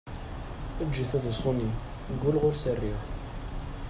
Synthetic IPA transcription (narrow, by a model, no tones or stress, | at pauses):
əd͡ʒːiθæðəsˤomi | ɡulʁʊɾsərːif